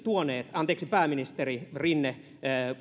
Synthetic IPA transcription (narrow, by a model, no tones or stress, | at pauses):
t̪uoneːt̪ɑnt̪eːksipæːminist̪eririnːe